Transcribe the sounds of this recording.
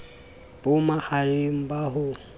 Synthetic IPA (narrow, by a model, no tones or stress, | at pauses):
b̥ʊmahalɪm̩baɦʊ